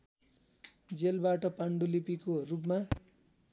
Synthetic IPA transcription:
d͡zelbaʈʌpaɳɖulipikorup̬ma

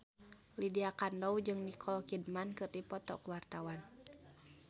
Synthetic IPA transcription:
lidiakandɔwd͡ʒɨŋnikʰɔlkid̚mankɨrdipɔt̪ɔ̰kuwart̪awan

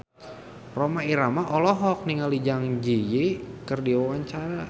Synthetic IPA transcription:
romaiɾamaʔɔlɔɦɔk̚niŋalid͡ʒaŋd͡ʒijikərdiwawaɲt͡ʃaɾa

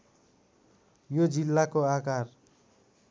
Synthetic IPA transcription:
jod͡zilːakoakar

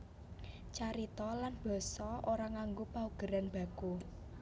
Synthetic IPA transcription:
t͡ʃaɾit̪ɔlanb̥ɔ̤sɔoɾaŋaŋɡupauɡ̥ə̤ɾanb̥ä̤ku

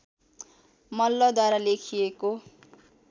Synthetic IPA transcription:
mʌlːʌd̪waɾalekʰijeko

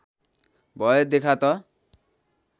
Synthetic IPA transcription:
bɔjed̪ekʰat̪ɔ

